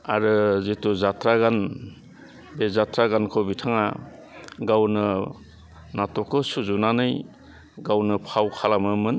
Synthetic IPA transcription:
aɾɯzituzatɾaɡan | bezatɾaɡankʰɔbitʰaŋa | ɡawnɯ | natɔkɯsuzunanɯj | ɡawnɯpʰawkʰalamɯmɯn

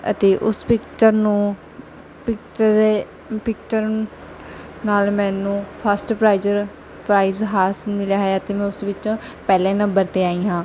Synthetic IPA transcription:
ə̰t̪eːʔʊspɪkt͡ʃəɾnũː | pɪkt͡ʃe | pɪk̚t͡ʃəɾ | naːlmɛ̃ːnũːpʰəsʈpɾaːizəɾ | pɾaːizɦaːsənmɪljaːɦeaːt̪eːmɛ̃ːʊsʋɪt͡ʃõː | pɛːlɛ̃ːnəmbəɾt̪eːaːiːɦãː

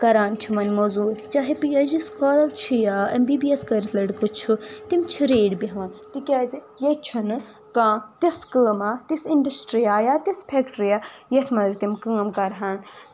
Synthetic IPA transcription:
kɐɾaːnt͡ʃʰimɐnʲmozuːt͡ʃaːɦipiɐziskoːlɐt͡ʃʰijaːɐmbibieskɐɾt̪ʰlɐɖkɨt͡ʃʰut̪imt͡ʃʰiɾeːɖbiɦɐʋãːnt̪ikʲaːzi | jɐt͡ʃʰunɨ | kãːt̪ɐskəːmaːt̪isinɖɐsʈɾijaːjaːt̪ispʰekʈɾijaːjɐt̪ʰmɐzt̪imkəːmkɐɾɦan

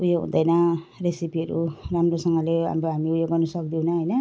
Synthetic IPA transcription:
ujoɦṵ̃d̪ʌjnʌresipiʌɾṵramrosʌŋɡʌleɦa̰moɦamiujoɡʌrnusʌkd̪iwnʌɦʌjnʌ

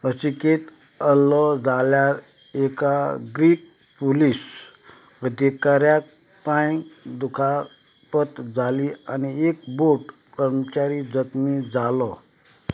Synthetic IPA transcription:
əsiket̪ | əlɔd͡zʱaljaɾ | ekaɡɾiːk̚ | polis | əd̪ekaɾjak̚ | pãj̃d̪ukʰa | pət̪d͡zʱaliañiekboʈ | kəɾmət͡ɕaɾid͡zət̪mid͡zalɔ

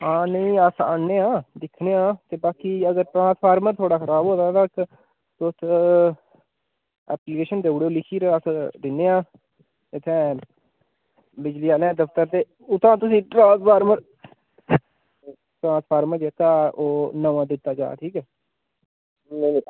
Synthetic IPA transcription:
ãːnəĩːasa̰ːneːãːd̪ɪkʰneːãːt̪eːbaːkiːəɡəɾʈɾãːnspʰaːɾməɾt̪ʰoːɽaːkʰəɾaːbɦoːd̪ãːt̪ək | t̪ːt̪ʰ | ɛ̰ːplɪkeːʃənd̪eːʊɽeːoːlɪkʰiːɾasd̪ɪneːãː | ɪt̪ʰːɛ̃ː | bɪd͡ʒliːaːleãːd̪əfʰt̪əɾt̪eː | ʊt̪ãːt̪ʊsĩːʈɾãːspʰaːɾməɾ | ʈɾãːnspʰaːɾməɾd͡ʒeːt̪aːoːnəʋãːd̪ɪt̪ːaːd͡ʒa̰ːt̪ʰiːkɛː | n

